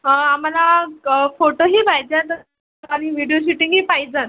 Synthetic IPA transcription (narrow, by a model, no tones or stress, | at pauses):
am̤alafoʈoɦiːbajd͡ʑjat̪ə | aɽ̃iʋiɽijoɕuʈiŋɡɦiːpajd͡zən